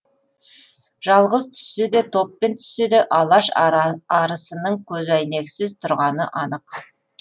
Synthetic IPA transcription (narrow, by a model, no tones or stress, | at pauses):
ʒ̥ɑlˠʁəzt̪ʰʏ̥sɪd̪e̞t̪ʰo̞pːe̞nt̪ʰʏ̥sɪd̪eʔɑlˠɑʃɑɾəsənəɴkʲʰɵzæjne̞ksɪzt̪ʰʊɾʁɑnə̰ʔɑnəq